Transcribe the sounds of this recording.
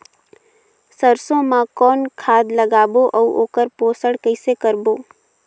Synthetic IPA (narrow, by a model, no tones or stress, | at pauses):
səɾsõmãkɔːnkʰaːd̪ləɡaːboʔɔuʔoːkəɾpoːsəɽkəɪsekəɾboː